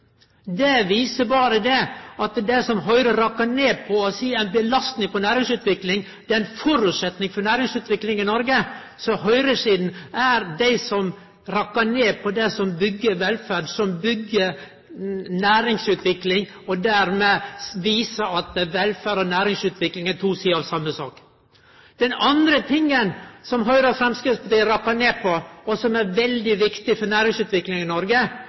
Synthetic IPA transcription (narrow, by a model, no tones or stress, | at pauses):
d̪ɛʋiːsəbɑːɾəd̪ɛɑt̪d̪ɛɪsɔmɦœʏɾəɾɑkːəɳeːpʰɔɔsiːæɪnbəlɑst̪nɪŋpɔnæːɾɪŋsʉːt̪ʰʋɪklɪŋ | d̪̥ɛæɪnfɔɾʉt̪sɛt̪nɪŋfɔɳæːɾɪŋsʉːt̪ʋɪklɪŋɪnɔɾɡə | sɔɦœʏɾəsiːd̪n̩æɾd̪æɪsɔm | ɾɑkːəneːpʰɔd̪ɛsɔmbʏɡːəɾʋɛlfæːɖsɔmbʏɡːəɾ | næːɾɪŋsʉːt̪ʰʋɪklɪŋ | ɔd̪æɾmeʋiːsəɾɑt̪ʋɛlfæːɾɔnæːɾɪŋsʉːt̪ʰʋɪklɪŋæt̪ʰuːsiːəɑʋsɑmːəsɑ̰ːk | d̪̥ɛnɑnd̪ɾət̪ʰɪŋːənsɔmɦœʏɾəfɾɛmskɾɪspʰɔd̪æɪɾɑkːəɳeːpʰɔɔsɔmæɾʋɛld̪ɪʋɪkt̪ɪfɔɳæːɾɪŋsʉːt̪ʋɪklɪŋɪnɔɾɡə